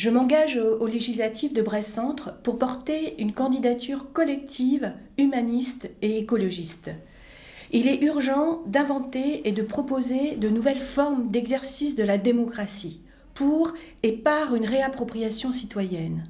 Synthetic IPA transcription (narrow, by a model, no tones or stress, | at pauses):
ʒəmɑ̃ɡaʒoleʒislat̪ʰifd̪əbʁɛsɑ̃t̪χpuʁpɔʁt̪eynkɑ̃d̪id̪at̪ʰyʁkɔlɛk̚t̪ʰiv | ymanist̪eekɔlɔʒist̪ | ilɛʔyʁʒɑ̃d̪ɛ̃vɑ̃t̪eːd̪əpχɔpozed̪ənuvɛlfɔʁmd̪ɛɡzɛʁsisd̪əlad̪emɔkχasi | puʁepaʁynʁeapχɔpχijasjɔ̃sit̪wajɛn